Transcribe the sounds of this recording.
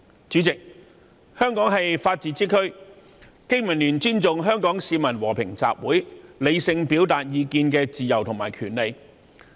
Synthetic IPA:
t͡ʃyː˨˥t͡sɪ˨k̚ | hœː˥ŋkɔː˨˥ŋɦɐ˨jfaː˧t̚t͡siː˧˥t͡siː˥kʰɵ˥ɥ | kɪ˥ŋmɐ˨˩nlyː˨˩nt͡ʃyː˥nt͡sʊ˨ŋɦœː˥ŋkɔː˨˥ŋsiː˨˧mɐ˨˩nwɔː˨˩pʰɪ˨˩ŋt͡sa̰ː˨p̚wuː˨˥jle˨˧jsɪ˧ŋpiː˨˥wt̪aː˨t̚jiː˨˧kiː˧nkɛː˧t͡siː˨jɐ˨˩wt̪ʰʊ˨˩ŋma̰ː˨˩jkʰyː˨˩nle˨˧j

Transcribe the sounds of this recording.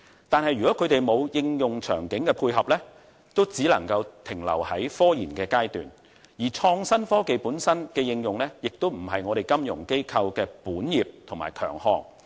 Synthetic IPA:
t̪aː˨nhɐ˨jɥyː˨kɔː˨˥kʰɵ˨˧ɥt̪e˨jmo˨˧wjɪ˧ŋjʊ˨ŋt͡ʃʰœ̰ː˨˩ŋkɪ˨˥ŋkɛ˧pʰuː˧jɦɐ˨p̚lɛː˥ | t̪o˥wt͡siː˨˥lɐ̰˨˩ŋkɐ˧wt̪ʰɪ˨˩ŋlɐ̰˨˩whɐ˨˥jfɔː˥jiː˨˩nkɛː˧kaː˥jt̪y̰ː˨n | jiː˨˩t͡ʃʰɔː˧ŋsɐ˥nfɔː˥ke˨jpuː˨˥nsɐ˥nkɛː˧jɪ˧ŋjʊ˨ŋlɛː˥jɪ˨k̚t̪o˥wm̩˨˩ɦɐ˨jŋɔː˨˧ɾe˨jkɐ˥mjʊ̰˨˩ŋke˥jkʰɐ˧wkɛː˧puː˨˥njiː˨p̚t̪ʰʊ˨˩maː˨˩jkʰœ̰ː˨˩ŋhɔ̰ː˧ŋ

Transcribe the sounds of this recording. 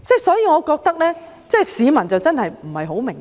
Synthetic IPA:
t͡sɛː˥˩sɔː˨˥jiː˧ŋɔː˨˧kɔː˧k̚t̪ɐ˥k̚lɛː˥ | t͡sɛː˥˩siː˨˧mɐ˨˩nt͡sɐ˨wt͡sɐ˥nhɐ˨jm̩˨˩hɐ˨jɦo˨˥wmɪ˨˩ŋ

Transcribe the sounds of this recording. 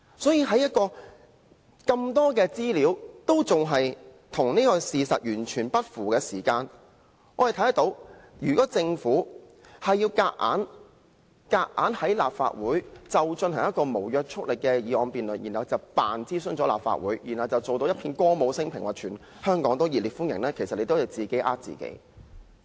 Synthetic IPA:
sɔː˨˥jiː˧ɦɐ˨˥jɐ˥t̚kɔː˧ | kɐ˧mt̪ɔː˥kɛː˧t͡siː˥liː˨˥wt̪o˥wt͡sʊ˨˩ŋɦɐ˨j | t̪ʰʊ˨˩ŋniː˥kɔː˧siː˨˧sɐ̰˨t̚jyː˨˩nt͡ʃʰyː˨˩npɐ˥t̚fuː˨˩kɛː˧siː˨˩kaː˧n | ʔɔː˨˧hɐ˨t̪ʰɐ˨˥jɐ˨˩t̪o˨˧˥wjyː˨˩kɔː˨˥t͡sɪ˧ŋfuː˨˥ | hɐ˨jːiː˧wka̰ː˧k̚ʔa̰ː˨˥n | kaː˧k̚ʔa̰ː˨˥nhɐ˨˥jla̰ː˨p̚fa̰ː˧t̚wuː˨˥jt͡sɐ˨wt͡ʃɵ˧nhʰɐ˨˩ŋjɐ˥tkɔː˧mo˨˩wjœː˧k̚t͡ʃʰʊ˥k̚lɪ˨kːɛː˧jiː˨˧ɔː˨˧npiː˨nlɵ˨njiː˨˩nhɐ˨˩wt͡sɐ˨wpaː˨nt͡siː˥sɵ˥nt͡sɔː˨˥la̰ː˨˩pfa̰ː˧t̚wuː˨˥jjiː˨nhɐ˨wt͡sɐ˨wt͡so˨wt̪o˧wjɐ˥pʰiː˧nkɔː˥mo˨˧wsɪ˥ŋpʰɪ˨˩ŋwaː˨t͡ʃʰyː˨˩n | hœː˥ŋkɔː˨˥ŋt̪̬o˥wjiː˨tliː˨t̚fu˥njɪ˨˩ŋlɛː˥kʰe˨˩jsɐ˨t̚ne˨˧jt̪o˥whɐ˨˩wt͡siː˨ke˨˥jʔaː˥t̚t͡sḭː˨˩kḛ˨˥j

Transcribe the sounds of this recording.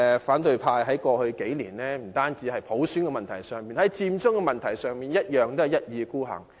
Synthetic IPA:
faː˨˥nt̪ɵ˨˧ɥpʰaː˧jɦɐ˨˥jkɔː˧hɵ˧ɥke˨˥jliː˨˩nɛː˥m̩˨˩t̪aː˥nt͡siː˨˥hɐ˨jpʰo˨˥wsyː˨˥nkɛ˧mɐ˨nt̪ʰɐ˨˩jsœː˨ŋmiː˨nhɐ˨˦˥jt͡siː˧mt͡sʊ˥ŋkɛ˧mɐ˨nt̪ʰɐ˨˩jsœː˨ŋmiː˨˩njɐ˥t̚jœː˨ŋt̪o˥ɐ˨jɐ˥t̚jiː˨˧kuː˥˩ɦɐ̰˨˩ŋ

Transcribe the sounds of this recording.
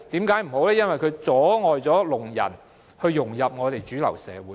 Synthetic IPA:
t̪iː˨˥mkaː˨˥jm̩˨˩ho˨˥wlɛː˥jɐ˥nwɐ˨jkʰɵ˨˧t͡sɔː˨˥ŋɔː˨jt͡sɔː˨˥lʊ˨˩ŋjɐ̰˨˩n | hɵ˧ɥːʊ˨˩ŋjɐ˨p̚ŋɔː˨˧t̪e˨jt͡ʃyː˨˥lɐ̰˨˩wsɛː˨˧wuː˨˦

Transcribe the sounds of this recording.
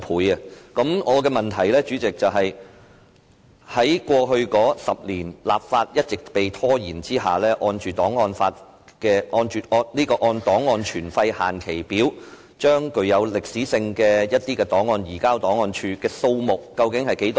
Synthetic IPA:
pʰuː˨˥jɐ˧kɐ˨˥mŋɔː˨˧kɛː˧mɐ˨nt̪ʰɐ˨˩jlɛː˥t͡ʃyː˨˥t͡sɪ˨k̚t͡sɐ˨wɦɐ˨j | hɐ˨˥jkʷɔː˧ɦɵ˧ɥkɔː˨˥sɐ˨p̚liː˨˩nla̰ː˨p̚faː˧t̚jɐ˥t̚t͡sɪ˨k̚pe˨jt̪ʰɔː˥jiː˨˩nt͡siː˥ɦa̰ː˨lɛː˥ʔɔː˧nt͡ʃyː˨t̪ɔː˨˥ŋːɔː˧nfaː˧t̚ | kɛː˧ʔɔː˧nt͡ʃyː˨ɔː˧liː˥kɔː˧ʔɔː˧nt̪ɔː˨˥ŋːɔː˧nt͡ʃʰyː˨˩nfɐ˧jha̰ː˨˩nkʰe˨˩jpiː˨˥w | t͡ʃœː˥ŋkɵ˧ɥjɐ˨˧wlɪ˨k̚siː˨˥sɪ˧ŋkɛː˧jɐ˥t̚t̪iː˥kɛː˧t̪ɔː˨˥ŋɔː˧njiː˨˩kaː˥wt̪ɔː˨˥ŋɔː˧nt͡ʃʰyː˧kɛː˧so˧wmʊ˨˩kːɐ˧wkɪ˨˥ŋhɐ˨jke˨˥jt̪ː

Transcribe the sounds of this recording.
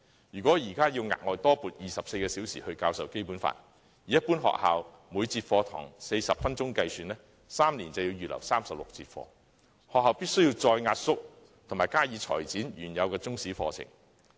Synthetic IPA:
jyː˨kɔː˨˥jiː˨˩kaː˥ji˧wŋa̰ː˨k̚ŋɔː˨jt̪ɔː˥puː˨t̚jiː˨˩sɐ˨p̚se˧jkɛː˧si˨˥wsḭː˨hɵ˧ɥkaː˧wsɐ˨wke˥jpuː˨˥nfa̰ː˧n | jiː˨˧jɐ˥t̚puː˥nɦɔ̰ː˨k̚haː˨w | muː˨˧jt͡siː˧t̚fɔː˧t̪ʰɔ̰ː˨˩ŋse˧jsɐ˨p̚fɐ˥nt͡sʊ˥ŋkɐ˧jsyː˨nlɛː˥ | saː˥mni˨˩nt͡sɐ˨wji˧wjyː˨˩lɐ̰˨˩wsaː˥msɐ˨p̚lʊ̰˨k̚t͡sḭː˧t̚fɔ̰ː˧ | hɔː˨k̚ɦɐː˨˧wpiː˥t̚sɵ˥jiː˧wt͡sɔː˧jŋaː˧t̚sʊ˥k̚ | t̪ʰʊ˨˩ŋmaː˨˩jkaː˥jiː˨˧˥t͡ʃʰɔ̰ː˨˩jt͡siː˨˥njyː˨˩njɐ˨˧wkɛː˧t͡sʊ˥ŋsiː˨˥fɔ̰ː˧t͡sʰɪ̰˨˩ŋ

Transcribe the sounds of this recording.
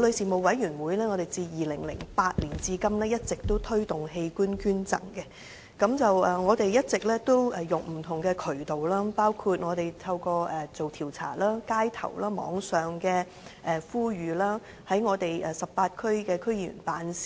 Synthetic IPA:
wlɵ˨˧ɥsiː˨mo˨˧wwɐ˨˥jyː˨˩nwuː˨˥jlɛː˥ŋɔː˨˧ɾe˨jt͡siː˧jiː˨˩lɪ˨˩ŋlɪ̰˨˩ŋpaː˧t̚liː˨˩nt͡siː˧kɐ˥mlɛː˥jɐ˥t̚t͡sɪ˨k̚t̪o˥wt̪ʰɵ˥ɥt̪ʊ˨˩ŋɦe˧jkuː˥nkyː˥nt͡sɐ̰˨˩ŋkɛ˧ | kɐ˨˥mt͡sɐ˨wɛː˨ŋɔː˨˧t̪e˨jjɐ˥t̚t͡sɪ˨k̚lɛː˥t̪o˥wɛ˨˩jʊ˨ŋm̩˨˩t̪ʰʊ˨˩ŋkɛː˧kʰɵ˨˩ɥt̪o˨wlaː˥paː˥wkʰuː˧t̚ŋɔː˨˧t̪e˨jt̪ʰɐ˧wkɔː˧ʔɛː˨˩t͡so˨wt̪ʰiː˨˩wt͡sʰa̰ː˨˩laː˥kaː˥jt̪ʰɐ̰˨˩wlaː˥mɔ̰ː˨˥ŋsœː˨˩ŋkɛː˧ | ʔɛ˨fuː˥jyː˨laː˥ | hɐ˨˥jŋɔː˨˧t̪e˨jɛː˨sɐ˨ppaː˧t̚kʰɵ˥ɥkɛː˧kʰɵ˥ɥy̰˨˩npaː˨˥nsi̥

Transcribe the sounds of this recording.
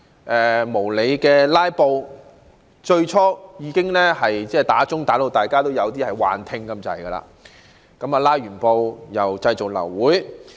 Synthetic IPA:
ʔɛ˨mo˨˩wle˨˧jkɛː˧laː˥jpo˧w | t͡ʃɵ˧ɥt͡ʃʰɔː˥jiː˨˧kɪ˥ŋlɛː˥hɐ˨jt͡sɛː˥˩t̪aː˨˥t͡sʊ˥ŋt̪aː˨˥lo˧wt̪aː˨˩jkaː˥t̪o˥wjɐ˨˧wt̪̬iː˥hɐ˨˩jwa̰ː˨nt̪ʰɪ˧ŋkɐ˧˥mt͡sɐ̰˨jɡɐ˧la̰ː˧ | kɐ˨˥maː˨˧laː˥jɥyː˨˩npo˧wjɐ˨˩wt͡sɐ˧jt͡so˨k̚lɐ̰˨˩wːuː˨˥j

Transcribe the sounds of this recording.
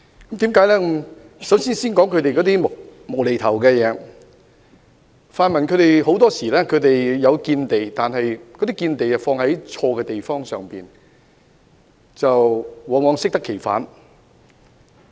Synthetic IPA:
kɐ˨˥mt̪iː˨˥mkaː˨˥jlɛː˥km | sɐ˨˥wsiː˥nsiː˥nkɔː˨˥ŋkʰɵ˨˧ɥt̪e˨jkɔ˨˧t̪̬iː˥m˨mo˨˩wle˨jt̪ʰɐ˨˩wkɛː˧jɛː˨˧ | faː˧nmɐ˨nkʰɵ˨˧ɥt̪e˨jho˨˥wt̪ɔː˥siː˨˩lɛː˥kʰɵ˨˧ɥt̪e˨jjɐ˨˧wkiː˧nt̪e˨˩jt̪aː˨nɦɐ˨jkɔ˨˥t̪iː˥kiː˧nt̪e˨jt͡sɐ˨wfɔː˧ŋɦɐ˨˥jt͡ʃʰɔː˧kɛː˧t̪e˨jfɔː˥ŋsœː˨ŋpiː˨n | t͡sɐ˨wwɔː˨˧ŋɔː˨˧˥ŋsɪ˥k̚t̪ɐ˥kʰːe˨˩jfa̰ː˨˥n

